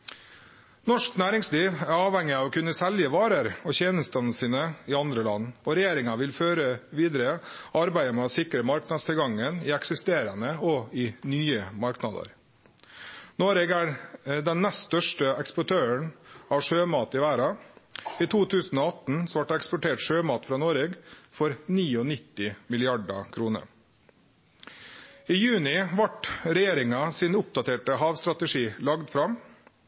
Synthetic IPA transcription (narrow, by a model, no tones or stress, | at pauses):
nɔʂknæːɾɪŋsliːʋæɾɑːʋhɛŋːɪɑːʋɔkʉnːəsɛljəʋɑːɾəɾɔçeːnəst̪ənəsiːnəɪɑnd̪ɾəlɑ̰nːɔɾɛjeːɾɪŋɑʋɪlføːɾəʋiːd̪ɾəɑɾbæɪəmɛɔsɪkɾəmɑɾknɑd̪st̪ʰɪlɡɑŋːənɪɛksɪst̪eːɾənəɔɪnyːəmɑɾknɑ̰d̪ə̰ɾ | noːɾeɡæd̪ɛnːɛst̪t̪œʂʈəɛkspʊʈʰøːəɳɑːʋʂøːmɑːt̪ɪʋæːɾɑ | iːt̪ʰuːt̪ʰʉːsn̩ɔːɑt̪n̩sɔʋɑʈɑɛkspʊʈʰeːʈʂøːmɑːt̪fɾɑːnoːɾeːɡfɔɾniːɔnɪt̪ːɪmɪlɪɑɖɑ̰kʰɾuːnə̰ɾ | iːjʉːnɪʋɑʈɾɛjeːɾɪŋɑsiːnʊp̚d̪ɑt̪ʰeːʈəɦɑːʋst̪ɾɑt̪əʂiːlɑɡd̪fɾɑm